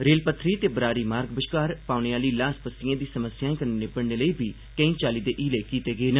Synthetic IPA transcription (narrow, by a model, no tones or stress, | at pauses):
ɾeːlpət̪ʰːɾiːt̪eːbəɾaːɾiːmaːɾɡbəʃkaːɾpaːʊneːaːliːlaːspəsiãːd̪iːsəməsjaːẽkəɾːepəɽneːləiːbʱiː | kə̃ĩːt͡ʃaːliːd̪eːʔiːleːkiːt̪eːɡəeːnə